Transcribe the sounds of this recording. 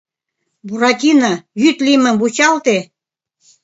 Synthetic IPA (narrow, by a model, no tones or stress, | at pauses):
buɾɑt̪ʲinɑjyt̪limə̆mbut͡ɕɑlt̪e